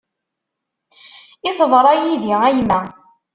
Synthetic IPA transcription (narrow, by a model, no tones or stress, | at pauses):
ɪθðˤɾˤɑjiðiæjmæ